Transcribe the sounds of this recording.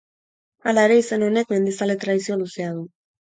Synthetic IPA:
alae̞ɾe̞ise̞no̞ne̞kme̞nd̪isalet̪ɾaðis̬io̞luse̞að̞u

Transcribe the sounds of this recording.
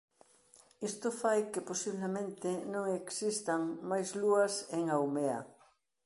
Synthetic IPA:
ist̪ʊfajkeposiβlemẽnt̪ɪnõŋeksist̪aŋmajzluɐseŋawmeɐ̰

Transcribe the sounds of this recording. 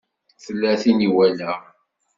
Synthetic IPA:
θəlːæθiniwælæ

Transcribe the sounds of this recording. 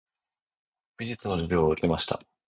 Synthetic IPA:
b̥ʲiʑɨt͡sɨno̞ʑiɾʲo̞ːɯ̟ke̞maɕi̥t̪a̰

